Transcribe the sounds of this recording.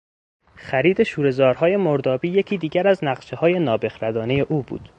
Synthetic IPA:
xæɾiːd̪e̞ʃuːɾe̞zɒːɾhɒːje̞moɾd̪ɒːbiːje̞cʰiːd̪iːɟæɾæznæɢʃehɒːje̞nɒːbe̞xɾæd̪ɒːneje̞ʔuːbṵːd̪̥

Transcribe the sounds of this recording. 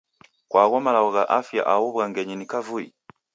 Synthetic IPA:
kwʔaːɣomalawoɣaʔafija̰ʔawoβwaŋɡeɲinikavui

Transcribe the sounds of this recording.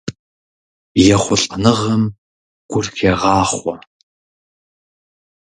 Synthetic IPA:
jɛχʷʊɬʼɐnɨʁɐm | ɡ̥ʷʊrxʲʰeʁɑːχʷɔ

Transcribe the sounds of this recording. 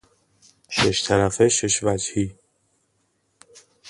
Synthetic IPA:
ʃeʃt̪ʰæɾæfeʃeʃvæd͡ʒhiː

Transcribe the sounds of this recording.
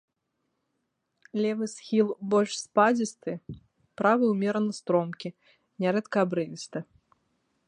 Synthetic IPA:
lʲɛvɨsxʲilˠbɔlʲʂspad͡zʲist̪ɨ | pɾavɨwmʲɛɾɐnɨst̪ɾɔmkʲi | nʲaɾɛt̪kɐabɾɨvʲist̪ɨ

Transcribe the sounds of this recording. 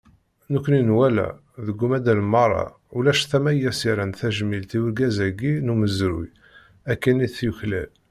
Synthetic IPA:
nukʷːninwælæ̰ | ðəɡːumæd̪ælmɑɾˤɑ̰ | ulæʃθæmæjæsiɾænθæʒmilt̪iwəɾɡæzæɡinuməzɾṵj | ækːəniθjuçlæ̰l

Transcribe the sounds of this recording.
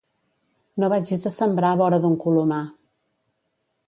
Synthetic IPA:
noβad͡ʒizðəsəmbɾaβɔɾəðuŋkuluma

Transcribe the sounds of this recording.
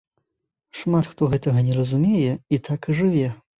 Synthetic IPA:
ʂmat̪xt̪ɔɣɛt̪ɐɣɐnʲɛɾɐzumʲɛjɛit̪ʰakɨʐɨvʲɛ

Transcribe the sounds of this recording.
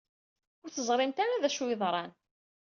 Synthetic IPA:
ʊɾθəzˤɾˤɪmt̪aɾaðæʃwiðˤɾˤɑn

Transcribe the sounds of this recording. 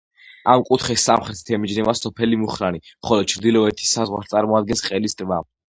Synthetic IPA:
amkʼut̪ʰχɛsːamχɾɛt̪ʰt̪ʰɛmid͡ʒnɛvasɔpʰɛlimuχɾanimχɔlɔd̪̥̚t͡ʃʰɾd̪ilɔɛt̪ʰi̥sazʁwa̰ɾst̪sʼaɾmɔad̪̚ɡɛnsqʼɛlisd̪ʼɾva

